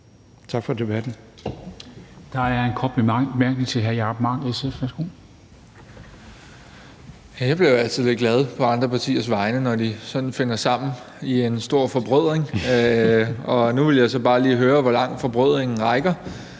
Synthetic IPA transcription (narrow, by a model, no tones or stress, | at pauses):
t͡sʰɑ̈ɡ̥fɒ̽d̥e̝b̥æd̥n̩ | d̥ɑ̈æɐenkʰɒ̽b̥mæɐɡ̥nit͡sʰe̝ɦæɐjɑ̈b̥mɑ̈ŋesefʋæsɡ̥oː | jæjab̥leæl̰t͡sʰiðˠle̝d̚ɡ̥lɛð̞ˠpʰɒ̽ɑ̈nd̥ʁɐpʰɑ̈t͡sʰḭːɐsʋɑ̈ɪnənɒd̥isɒ̽nn̩fe̝n̰ɐsɑ̈m̰n̩ | ie̝nsd̥o̝ɐ̰fɒ̽b̥ʁœð̞̰ˠʁeŋ | ɒ̽nuʋe̝ljɑ̈ɪsɒ̽b̥ɑ̈ːliːɦøːɐʋɒ̽lɑ̈ŋ̰fɒ̽b̥ʁœð̰ˠʁeŋn̩ʁɑ̈ɪɡ̥ɐ